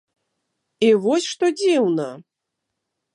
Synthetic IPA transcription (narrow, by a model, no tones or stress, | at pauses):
ivɔsʲʂt̪ɔd͡zʲiwnɐ